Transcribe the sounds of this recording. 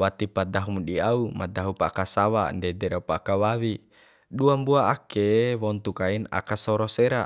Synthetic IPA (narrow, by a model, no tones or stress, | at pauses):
wat̪ipad̪aɦumɗiaumad̪aɦupakasawa̰ndɛdɛɾaupaːkawawi | ɗuambuaakewɔnt̪ukaina̰kasɔɾɔsɛɾa